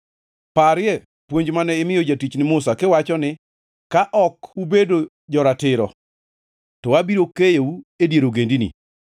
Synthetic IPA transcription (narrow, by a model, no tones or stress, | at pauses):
paɾɪɛ | pwoɲd͡ʒmanɛɪmɪjɔd͡ʒatit͡ʃnɪmʊsakɪwat͡ʃɔnɪ | kaʔɔkubedo | d͡ʒɔɾatɪɾɔ̰ | tɔwabiɾokejeuedjeɾoɡendinḭ